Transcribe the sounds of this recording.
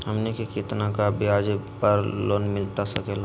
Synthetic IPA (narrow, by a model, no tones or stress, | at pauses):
hɐmnekikɪt̪nakabɪaːd͡ʒepəɾloːnmɪlt̪asɐkela